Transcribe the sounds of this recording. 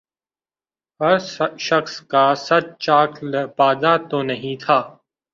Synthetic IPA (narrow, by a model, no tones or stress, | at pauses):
ɦɐɾʃɐxskaːsɐt͡ʃt͡ʃaːkʰlɐpaːd̪at̪onɐɦĩt̪ʰaː